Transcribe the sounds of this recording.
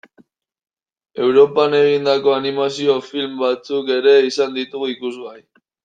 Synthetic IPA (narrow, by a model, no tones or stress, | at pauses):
e̞wɾo̞pane̞ɣ̞ind̪ako̞animasio̞filmbat͡suke̞ɾe̞isand̪it̪uɣuikuzɣaj